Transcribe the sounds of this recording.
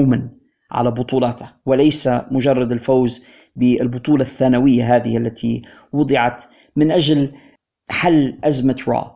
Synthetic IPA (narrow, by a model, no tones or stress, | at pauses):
man | ʕa̰labʊt̪ˤuːlɑt̪awɪlajsamʊʒɑrˤːɑd̪ɪlfawz | bɪɪlbʊt̪ˤuːlɑθːaːnawɪjːaɦaːðɪ̰hʔalːat̪ʰi | wʊd̪ˤɨʕɑt̪ | mɪnʔaʒal | ħalːʔazmat̪ɾɑ̰ː